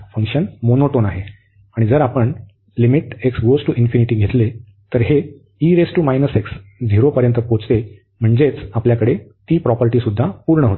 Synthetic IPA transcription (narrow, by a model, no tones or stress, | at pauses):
fəŋkʂənmonoʈonaɦe | aɽ̃id͡zəɾapəɳ | limiʈeksɡosʈuʔinfiniʈiːɡʱet̪le | t̪əɾɦe | iɾesʈumajnəseksd͡zʱiɾopəɾjənt̪əpot͡st̪e | m̤əɳd͡zet͡sapljakəɽet̪iːpɾɔpəɾʈiːsud̪ʱːapuɾɳəɦot̪e